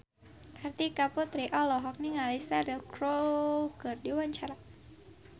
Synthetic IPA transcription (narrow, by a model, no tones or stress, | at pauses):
ʔart̪ikapɔt̪ɾiʔɔlɔɦɔk̚niŋalisaɾilkɾokɨrdiwaɲt͡ʃaɾa